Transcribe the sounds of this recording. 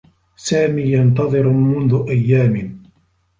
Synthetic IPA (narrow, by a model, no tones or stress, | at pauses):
saːmiːjɑnt̪ɑðˤɨɾmʊnðʊʔajːaːmɪ